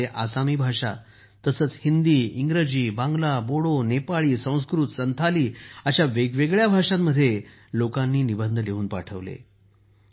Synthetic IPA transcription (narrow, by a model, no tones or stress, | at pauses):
eʔasamiːbʱaʂa̰ | t̪əsəːt͡shind̪iːiŋɡɾəd͡ʑiːbãŋɡlaboɽonepaɭiːsə̃w̃s̬kɾut̪sənt̪ʰaliːaɕaʋeɡʋeɡɭjabʱaʂamːəd̪ʱːje | lokãnːiːnibənd̪ʱəleuːnpaʈʰəʋlḛ